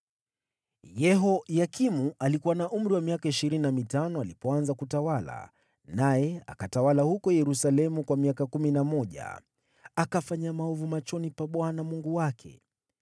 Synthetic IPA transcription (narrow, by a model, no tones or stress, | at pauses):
jɛɦɔjakimualikuwanaʔum̩ɾiwamiakaiʃiɾininamitanɔalipɔanzakutawala̰ | najɛa̰katawalahukɔjɛɾusalɛmukwamiakakuminamɔʄa̰ | akafaɲamaɔvumat͡ʃɔnipaɓwanamuŋɡuwakʰɛ̰